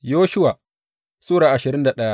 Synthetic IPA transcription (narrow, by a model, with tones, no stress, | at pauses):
joː˦ʃʊ˦waː˨ | sʊː˦ɽaː˨ʔa˨ʃɪ˨ɾɪ˦nda˨ɗɐ˦ja˦